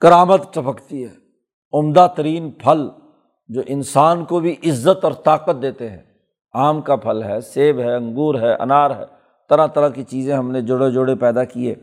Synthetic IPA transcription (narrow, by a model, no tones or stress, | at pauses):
kɐɾaːmət̪t͡ʃɐpəkt̪iɦɛː | ʊmd̪at̪ɐɾiːnpʰɐl | d͡ʒoːʔɪnsaːnkobʱiʔɪzːət̪ɔːɾt̪aːqət̪̚d̪eːt̪eɦɛ̃ː | aːmkapʰɐlɦɛseːbɦɛɐ̃ŋɡuːɾɦɛːʔɐ̰naːɾɦɛ̰ː | t̪ɐɾãt̪ɐɾakit͡ʃiːzẽɦɐmned͡ʒʊɽed͡ʒʊɽepɛːd̪akieː